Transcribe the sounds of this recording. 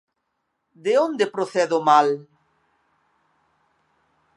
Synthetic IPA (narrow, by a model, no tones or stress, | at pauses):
d̪eond̪epɾoθɛðomal